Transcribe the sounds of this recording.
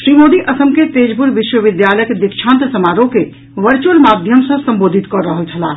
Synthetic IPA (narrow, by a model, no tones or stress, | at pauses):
ʃɾimod̪iʔəsəmket̪ed͡ʒbuɾʋiʃwəʋid̪jaləjəkd̪ikt͡ʃʰãnt̪səmaɾõke | ʋəɾt͡ʃuəlmad̪ʱjəmsə̃səmbod̪ʱit̪kɔɾəɦəlt͡ʃʰəla